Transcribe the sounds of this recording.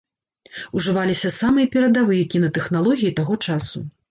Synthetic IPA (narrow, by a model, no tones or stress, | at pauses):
uʐɨvalʲisʲɐsamɨjɐpʲɛɾɐd̪avɨjɐkʲinɐt̪ɛxnalˠɔɣʲijit̪aɣɔt͡ʂasu